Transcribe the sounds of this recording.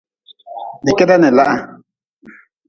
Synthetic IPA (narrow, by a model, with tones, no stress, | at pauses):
ni˨kɛ˦da˦nɛ˨la˦ʔa˦